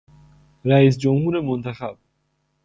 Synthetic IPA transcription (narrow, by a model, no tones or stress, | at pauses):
ɾæiːs̬d͡ʒomhuːɾemont̪ʰæxæb̥̚